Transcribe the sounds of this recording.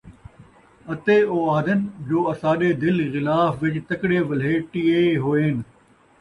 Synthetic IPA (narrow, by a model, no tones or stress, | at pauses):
ɐt̪eːoːaːd̪ənd͡ʑoːɐsaːɗeːd̪ɪlɣɪlaːfʋɪt͡ɕt̪ɐkɽeːʋɐl̤ɦeːʈiːeːɦoːeːn